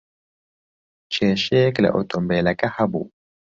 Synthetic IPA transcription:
t͡ʃɛʃɛkla̰ʔɔtʰʼɔmbɛlakʼahabṵ

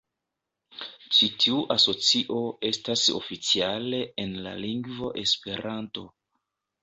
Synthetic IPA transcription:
t͡ʃitʰiuʔaso̞t͡siʔo̞e̞staso̞̰fit͡siale̞enla̰liŋɡvo̞ʔe̞spe̞ɾanto̞

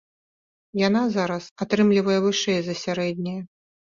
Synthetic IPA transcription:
janazaɾɐsat̪ɾɨmlʲivɐjɛvɨʂɛjzɐsʲaɾɛd̪ʲnʲɛjɐ

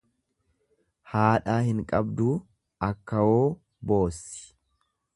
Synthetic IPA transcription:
haːᶑaːhɪŋkʼɐbd̪uː | ɐkːɐwoː | bo̞ːsːɪ̥

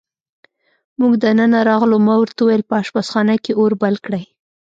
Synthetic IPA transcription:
muɡd̪ənənaɾɑɣlomawɾt̪auwajəlpəɑʃbasxɑnakeoɾbalkɽaj

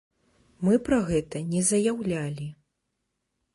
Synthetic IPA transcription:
mɨpɾɐɣɛt̪ɐnʲɛzɐjawlʲalʲi

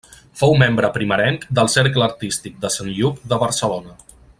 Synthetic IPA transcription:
fowmembɾəpɾiməɾɛŋkd̪əlˠsɛɾkləəɾt̪ist̪ik̚d̪əsanʎupd̪əβəɾsəlonə

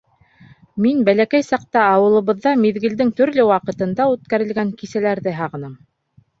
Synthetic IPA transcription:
minbælækæjsɑq̚t̪ɑɑwɤ̆lˠɤ̆βɤ̆ðːɑmiðɡɘ̆ld̪ɘŋt̪ɵ̆ɾlɘwɑqɤ̆t̪ɤ̆nd̪ɑʉt̪̚kæɾɘ̆lɡæŋkisælæɾðɘɦɑʁɤ̆nɤm

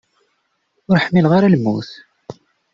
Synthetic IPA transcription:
ʊɾħmːilʁaɾalmːuθ

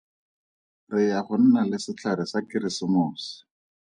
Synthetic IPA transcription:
rɪjaχʊn̩nalɪsɪt͡ɬʰaɾɪsakɪɾɪsɪmʊːsɪ̥

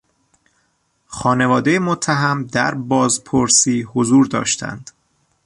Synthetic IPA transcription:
xɒːne̞vɒːd̪e̞jemot̪ʰːæɦæmd̪æɾbɒːzpʰoɾsiːhozuːɾd̪ɒ̰ːʃt̪ʰæ̰nd̪̥

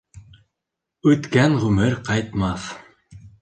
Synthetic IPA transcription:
ʉt̪kæŋʁɵmɘɾqɑjt̪mɑθ

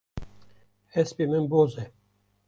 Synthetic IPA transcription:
hɛspemɨnbozɛ

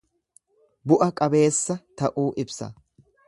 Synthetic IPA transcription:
bʊʔɐkʼɐbe̞ːsːɐt̪ɐʔuːʔɪbsɐ̰

